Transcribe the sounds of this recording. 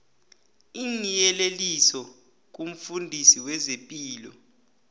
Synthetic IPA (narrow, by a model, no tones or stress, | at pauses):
inijɛlelisɔ | k̬um̩fundʱisiwɛzepʼiːlɔ